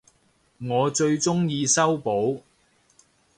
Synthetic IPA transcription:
ŋɔː˨˧t͡ʃɵ˧ɥt͡ʃʊ˥ŋjiː˧sɐ˥wpo˨˥w

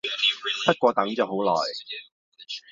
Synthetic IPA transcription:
ɐ˥t̚kʷɔː˧t̪ɐ˨˧˥ŋt͡sɐ˨˩who˨˥wlɔ̰ː˨˩j

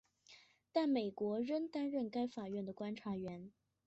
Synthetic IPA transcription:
t̪a˥˩nme˨˩ɪkwɔ˧˥ɻə˥nt̪a˥nɻə˥˩nka˥ɪfa˨˩ɥɛ˥˩nd̪ə˩kwa˥nʈ͡ʂʰa˧˥ɥɛ˧˥n

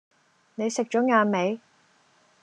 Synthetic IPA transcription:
ne˨˧jsɪ˨k̚t͡ʃɔː˨˥ŋaː˧nme˨˧j

